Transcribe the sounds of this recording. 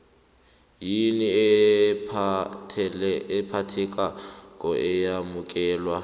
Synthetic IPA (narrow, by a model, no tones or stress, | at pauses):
jini | ɪpʰatʰɛkʼakʼɔʔɪjamʊkʼɛːlwa